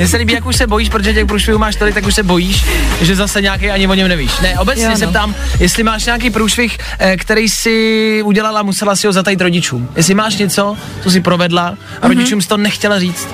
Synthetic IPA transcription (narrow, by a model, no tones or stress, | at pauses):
mɲɛs̬ɛliːbiːjakuʃsɛbo̞jiːʃ̬pɾot̪oʒɛcɛxpɾuːʃvɪhuːmaːʃt̪olɪkt̪jakuʃsɛbo̞jiːʃʒɛzasɛɲeaːkejaɲɪvoɲɛmnɛviːʃnɛʔobɛt͡sɲɲɛssɛpt̪aːmjɛst̪lɪmaːʃɲaːk̬ejpɾuːʃvɪx | kt̪ɛɾɛjsɪuɟɛlalamusɛlasɪɦozat̪ajit̪ɾoɟɪt͡ʃuːmjɛstlɪmaːʃɲɛt͡so̞ | t̪os̬ɪpɾovɛdla | ʔaɾoɟɪt͡ʃuːmst̪oonɛxcɛlariːt͡st̪